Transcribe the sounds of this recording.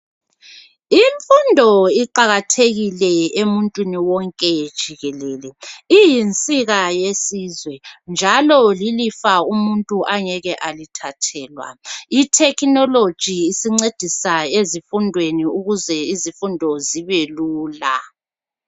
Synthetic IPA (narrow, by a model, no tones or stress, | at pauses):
iɱfundʱɔiǃaɣatʰeɣilɛemuntʼwiniwɔŋkʼɛd̥ʒ̥ʱiɣɛlɛːlɛijint͡sʼiɣajesiːzwɛnd͡ʒʱalɔlilifaumuntʼuʔaŋɛɣɛʔalitʰatʰɛːlwa̰itʰɛkʰʼnɔlod̥ʒ̥ʱiːsiŋ͡ǀed̥ʱisaezifundʱweniuɣuzɛizifundʱɔziβeluːla